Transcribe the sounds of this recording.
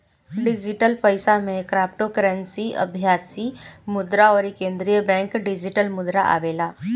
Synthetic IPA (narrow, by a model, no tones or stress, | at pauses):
ɖɪd͡ʒɪʈəlpəɪsamẽkɾaːp̚ʈokəɾə̃nsiʔɐ̰bʱjaːsimʊd̪ɾaɔːɾikẽːnd̪ɾijəbɛ̃ːŋkɖɪd͡ʒɪʈəlmʊd̪ɾaʔa̰ːʋeːlaː